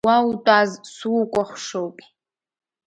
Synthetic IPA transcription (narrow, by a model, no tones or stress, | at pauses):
wawutʼaːzsuwkʷʼɔχʷʂowpʼi̥